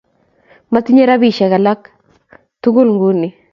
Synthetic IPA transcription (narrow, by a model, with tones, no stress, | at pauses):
ma˦ti˦ɲe˦ɾa˦bi˨ʃɛ˨ka˨la˦k | t̪u˦ɡʊ˦lŋɡu˦ni˨